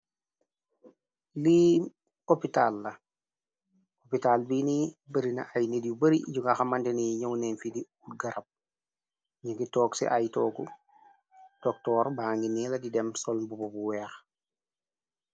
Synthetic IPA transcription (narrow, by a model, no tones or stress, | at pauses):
li | kopitalːɐ | kopitalbinibəɾinɐ̰ʔajnedjubɐɾiɟuŋɡaxamandɛniɲawnɛnfidiutɡɐɾɐp̚ | ɲiŋɡitɔːksɛ̰ʔajtɔːku | tɔk̚tɔːɾbahaŋɡiniːlɐdidɛmsɔlbubɔbuwɛːx